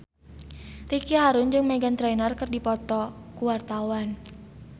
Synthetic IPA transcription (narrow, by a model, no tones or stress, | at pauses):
rikiɦaɾʊnd͡ʒɨŋmɛɡant̪ɾɛnərkɨrdipɔt̪ɔkuwart̪awan